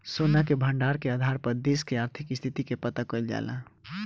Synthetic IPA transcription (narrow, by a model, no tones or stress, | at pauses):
soːnakebʱə̃ɳɖaːɾkeaːd̪ʱaːɾpəɾd̪eːskeaːɾt̪ʰɪkɪst̪ʰɪt̪ikepət̪akoɪld͡ʒa̰ːla̰